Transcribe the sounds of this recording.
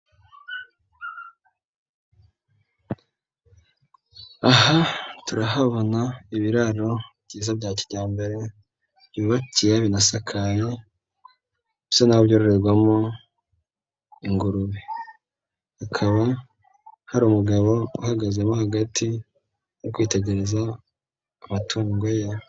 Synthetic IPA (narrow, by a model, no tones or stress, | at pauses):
aɦatuɾaɦaβo̞naiβiɾaɾo̞bɟiːzabɟaːciɟaːmbe̞ɾe̞ | b̥juːβacijaβinasakʰaje | βsonaoβjoːɾoɾe̞ɾɡwamo | iŋɡuɾuβe | akʰaβa | haɾuːmuɡaβo̞uhaɡazemohaɡatʰi | jokwiːte̞ɟe̞ɾe̞zaː | matʰuːŋɡoja